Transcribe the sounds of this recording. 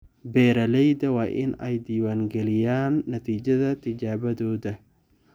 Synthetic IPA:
bɛːɾɐlɛjd̪ɐwaːʔɪ̰nɛjd̪iːwaːŋɡɛlɪjaːnːɐt̪ʰiːd͡ʒɐðɐt̪ʰɪd͡ʒaːβɐðɔːðɐ

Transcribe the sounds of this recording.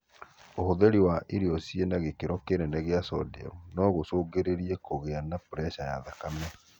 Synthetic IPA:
ohoðeɾiwaʔiɾiɔsienaɣekeɾɔkeɾɛnɛɣeasɔ̰dḭɔ̰nɔɣosoːɡeɾeɾiekoɣeanapuɾɛʃaja̰ðakamɛ

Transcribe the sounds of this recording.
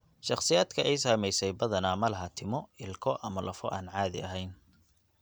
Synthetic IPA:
ʃɑχsɪjaːd̪kʰɐʔɛjs̬aːmɛjsɛjbɐðɐnaːmɐlɐɦɐt̪ʰɪmɔɪlkʰɔʔɐmɐlɐfɔ̰ʔaːnʕɑːðɪ̰ɐɦɛjn

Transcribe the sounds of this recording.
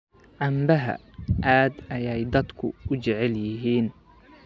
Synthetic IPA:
ʕɑmbɐɦɐ̰ | ʔaːd̪ɐjɛjd̪ɐd̪kʰʊ̰ʊt͡ʃɛʕɛljɪɦiːn

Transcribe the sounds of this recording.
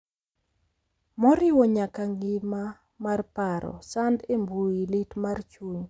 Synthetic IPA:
mɔɾɪwɔɲakaŋɡɪma | marpaɾɔ̰sandembuilɪtmart͡ʃuɲ

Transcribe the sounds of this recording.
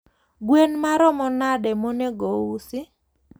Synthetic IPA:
ɡwenmaɾɔmɔnadɛmoneɡowusɪ

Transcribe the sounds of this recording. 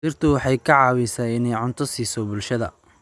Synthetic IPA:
iːrt̪ʰʊwɑħɑjkʰɐʕɑːwɛjsaːɪnɛjʕʊnt̪ʰɔsiːsɔbʊlʃɐðɐ̰

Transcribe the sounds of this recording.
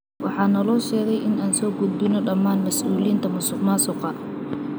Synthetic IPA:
wɑħɑːnɐlɔːʃɛːɣɛjʔɪnaːnsɔːɡʊd̪bɪnɔɖɐmaːnmɐsʔuːliːnt̪ʰɐmʊsʊmaːsɔqɑ

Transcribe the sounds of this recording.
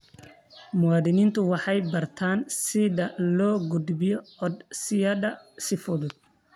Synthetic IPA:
mʊwɑːðɪniːnt̪ʰʊwɑħɑjbɐrt̪ʰaːnsɪðɐlɔːɡʊd̪bɪjɔɔd̪sɪjɐdɐsɪfʊðʊd̪̚

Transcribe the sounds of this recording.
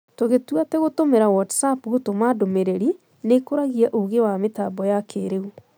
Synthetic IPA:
toɣetwatɛɣotomeɾawɔtsapɣotomadomeɾeɾi | nekoɾaɣiaʔoɣewametabɔjakʰeɾeu

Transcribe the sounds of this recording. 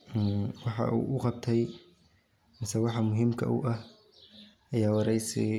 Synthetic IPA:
wɑħɑ̰ʔṵːʔʊqɑb̚t̪ʰɛj | mɪsɛwɑħɑmʊɦɪmkʰɐ̰ʔṵʔɐh | ʔɐjaːwɑɾɛjsḭ

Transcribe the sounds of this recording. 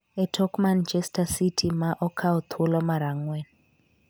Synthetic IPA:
ɛtʰɔkmant͡ʃɛstasitʰimaʔɔkʰaɔt̪ʰulɔmaɾaŋwɛn

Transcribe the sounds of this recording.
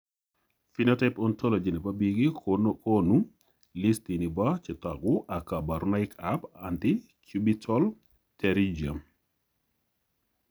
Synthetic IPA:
finɔtɛpɔntɔlɔd͡ʒinibabiɡikkonu | listinibat͡ʃɛtakʊʔakabaɾunaɪkapanti | t͡ʃubitʰɔl | tɛɾid͡ʒiam

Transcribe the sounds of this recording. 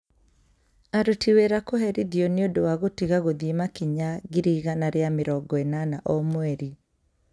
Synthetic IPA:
aɾotiweɾakohɛɾiðjɔneodowaɣotiɣaɣoðimakiɲaɣiɾiːɣanaɾeameɾɔɡɔɛnanaʔɔmwɛɾi

